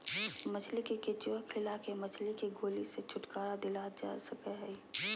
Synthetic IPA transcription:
mət͡ʃʰlikeket͡ʃokʰɪlakemət͡ʃʰlikeɡoːliset͡ʃʰʊʈkaːɾad̪ɪlad͡ʒa̰səkɛɦɛi

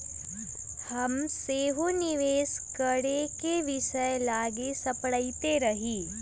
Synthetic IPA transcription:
hɐmseːɦonɪʋeːskɐɽekeʋɪʃəjlaːɡesɐpɽəit̪eɾɐɦiː

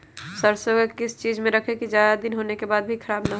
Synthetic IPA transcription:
səɾsoɡəkɪst͡ʃiːd͡ʒmẽɾəkʰekid͡ʒjaːd̪ad̪ɪnɦoːnekebaːd̪bʱikʰəɾaːbnaɦo

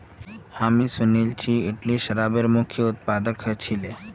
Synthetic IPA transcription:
hamisʊnelt͡ʃʰiɪʈliʃəɾaːbeɾmʊkʰjəʊt̪̚paːd̪əkɦət͡ʃʰile

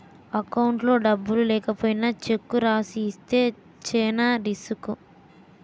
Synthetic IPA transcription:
ɐkɐwuɳʈlo̞ːɖɐbːululɛːkɐpoːjinɐt͡ʃe̞kːuɾaːsiːst̪e̞ː | t͡ʃɛːnɐɾisuku

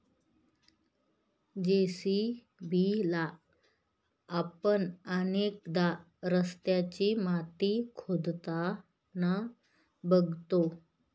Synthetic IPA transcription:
d͡ʑesi | bila | pəɳənekd̪a | ɾəst̪jat͡ɕimat̪ikʰod̪t̪a | na | bəɡʱt̪o

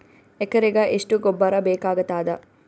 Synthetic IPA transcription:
ekəɾeɡaːʔisʈuɡobːaɾabeːkaːɡɐt̪aːd̪a

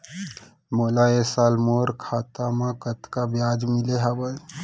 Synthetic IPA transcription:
molaesaːlmoːɾkʰat̪amãkət̪kabjaːd͡ʒmileɦabə

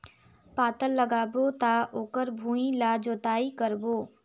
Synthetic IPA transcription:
paːt̪əlːəɡaːbot̪aoːkəɾbʱũːĩlad͡ʒoːt̪aːikəɾboː

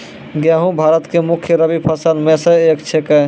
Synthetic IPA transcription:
ɡjaɦũbʱaɾət̪kemukʰjəɾəbipʰəsəlmẽsə̃ekt͡ʃʰeke

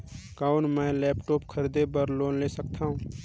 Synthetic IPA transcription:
kaːʊnmɛ̃ːlɛːpʈoːpkʰəɾd̪ebəɾloːnleːsəkt̪ʰaːɦũː

